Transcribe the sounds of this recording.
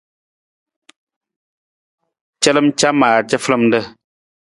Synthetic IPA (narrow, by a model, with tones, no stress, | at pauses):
t͡ʃə˦lə˦m˦t͡ʃa˦maː˨t͡ʃə˦flə˦˨m˦də˦˨